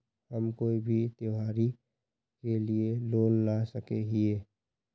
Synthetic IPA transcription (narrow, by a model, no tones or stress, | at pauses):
həmkoːibʱit̪joɦaːɾi | kelieloːnlasəkeɦieː